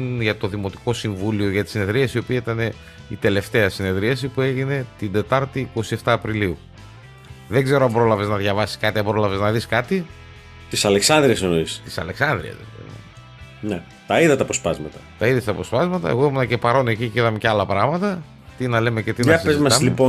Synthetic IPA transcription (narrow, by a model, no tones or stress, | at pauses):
nʝɐt̪o̞ðimo̞t̪i̥ko̞siɱvulio̞ʝɐt̪i̥sine̞ðɾiɐsio̞piɐit̪ɐne̞ | it̪e̞le̞ft̪e̞ɐsine̞ðɾiɐsipue̞ʝine̞t̪ind̪e̞t̪ɐɾt̪iːko̞sie̞ft̪ɐːpɾiliu | ðeɡze̞ɾoɐmbɾo̞lɐve̞znɐðʝɐvɐsi̥skɐt̪iɐmbɾo̞lɐve̞znɐðiskɐt̪i | t̪isɐleksɐnd̪ɾiɐsenoist̪i̥sɐ̰leksɐnd̪ɾḭɐ̰s | ne | t̪ɐiðɐt̪ɐpo̞spɐzmɐt̪ɐ̥t̪ɐiðest̪ɐpo̞spɐzmɐt̪ɐ̰eɣoimunɐce̞pɐɾo̞ne̞ciciðɐmeceɐlɐpɾɐɣmɐt̪ɐ | t̪inɐle̞mece̞t̪inɐsizezmɐɐmlipo